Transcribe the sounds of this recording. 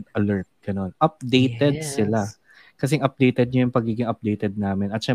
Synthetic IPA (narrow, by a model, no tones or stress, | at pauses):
d̪ʔɐlɛɹt̪̚ɡ̥ɐno̞nʔɐp̚d̪ejt̪ɛd̪̚sɪla | kɐs̬ɛɐŋʔɐp̚d̪ejt̪ɛd̪̚ɲɐjʊŋpɐɡiːɡɪŋɐp̚d̪ejt̪ɛd̪̚naːmɪnɐt̪̚ʃɛ